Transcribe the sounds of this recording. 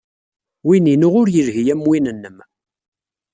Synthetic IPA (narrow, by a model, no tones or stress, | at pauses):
wininuʁʊɾjəɾɦijæmwinənːəm